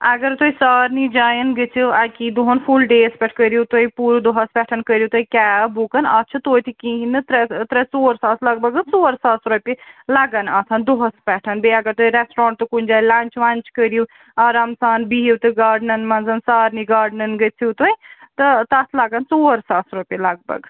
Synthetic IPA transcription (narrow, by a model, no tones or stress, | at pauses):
ɐɡəɾt̪oisaːɾnid͡ʒaːjənɡət͡ʃʰiɐkid̪oɦɐnpʰulɖeːspɛʈʰkəɾiut̪oipuːɾud̪oɦɐspɛʈʰɐnkəɾijut̪oikɛːbukənɐtːt͡ʃʰɐt̪oːt̪ʰikĩɦinɨt̪ɾɛt̪ɾɛsoːɾsaːslɐɡ̚bɐɡənsoːɾsaːsɾopilɐɡɐnɐt̪ʰɐnd̪oɦɐspɛʈʰɐnbeɐɡɐɾt̪oiɾɛsʈɾɔ̃ːɳʈ̚t̪ukunʲd͡ʒaːlɐnt͡ʃʋɐnt͡ʃkəɾiju | aːɾaːmsaːnbiiwt̪ɨɡaːɖnɐnmɐnzɐnsaːɾniɡaːɖnɐnɡət͡ʃʰit̪oit̪ɨt̪ɐt̪ʰlɐɡənsoːɾsaːsɾopʲilɐɡ̚bɐ̰ɡ